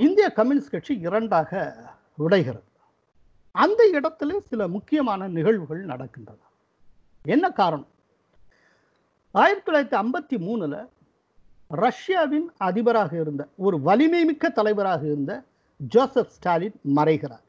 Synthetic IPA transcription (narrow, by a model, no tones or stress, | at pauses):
ɪnd̪ɪjɐkɐmːɪnɪskeʈt͡ʃːiɪɾɐɳɖaːɣɐ | ʋɪɽɐɪɣɪrɐðɯ | ɐnd̪ɐɪɽɐt̪ːɪleːsɪlɐmʊkːɪjɐmaːnɐnɪɣɐɭʋɯɣɐɭnɐɽɐkːɪndrɐðɯ | ɛnːɐkaːɾɐɳɐm | aːjɪɾɐt̪ːɯɭaːɾɐt̪ːiɐmbɐt̪ːimuːnɯlɐ̰ | ɾɐʂjaːʋɪnɐðɪbɐɾaːɣɐɪɾɯnd̪ɐɔɾɯʋɐlɪmɐɪmɪkːɐt̪ːɐlɐɪbɐɾaːɣɐɪɾɯnd̪ɐ | d͡ʒoːsɛfsʈaːlɪnmɐrɐɪɣɪra̰ːɾ